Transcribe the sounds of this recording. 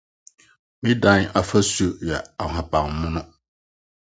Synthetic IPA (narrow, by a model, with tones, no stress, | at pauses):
mĩ˦dã˦ŋ˦a˨fa˦su˦jɛ˨a˨a˨ba˨ŋmʊ̃˦nʊ̃˦